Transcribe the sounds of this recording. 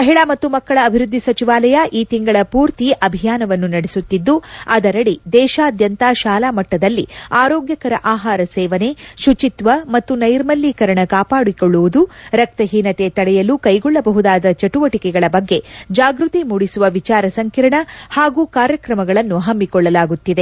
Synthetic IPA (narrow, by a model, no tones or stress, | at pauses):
mɐɦiɭamɐt̪ːumɐkːɐɭɐːbʱiɾud̪ʱːisɐt͡ʃiʋaːlɐjɐʔiːt̪iŋɡɐɭɐpuːɾt̪iʔɐbʱijaːnɐʋɐnːunɐɽesut̪ːid̪ːuɐd̪ɐɾɐɽid̪ɛːʃaːd̪jɐnt̪aːʃaːlaːmɐʈːɐd̪ɐlːiaːɾoːɡjɐkɐɾɐʔaːɦaːɾɐsɛːʋɐne̞ʃut͡ʃit̪ʋɐmɐt̪ːunɐjɾmɐlːiːkɐɾɐɳɐkaːpaːɽikɔɭːuʋud̪uɾɐk̚t̪ɐɦiːnɐt̪e̞t̪ɐɽɛjɐluːkɐjɡɔɭːɐbɐɦud̪aːd̪ɐt͡ʃɐʈuʋɐʈikɛɡɐɭɐbɐɡːe̞d͡ʒaːɡɾut̪imuːɽisuʋɐʋit͡ʃaːɾɐsɐŋkiɾɐɳɐhaːɡuːkaːɾjɐkɾɐmɐɡɐɭɐnːuɦɐmːikɔɭːɐlaːɡut̪ːid̪e̞